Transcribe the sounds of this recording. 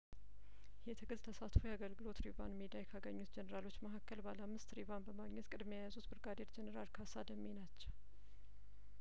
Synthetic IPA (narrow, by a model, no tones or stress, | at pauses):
jɛt̪ʰəɡɨzt̪ʰəsat̪fujaɡəlɡɨlo̞t̪ɾibanmid̪iajkʰaɡəɲːut̪d͡ʒɛnəɾalo̞t͡ʃːməɦakːəlbalamːɨst̪ɾiβanbəmaɡɲɛt̪kʼɨd̪mejajazut̪bɨɾɡad̪eɾd͡ʒɛnəɾalkʰasad̪əmːenat͡ʃːɛw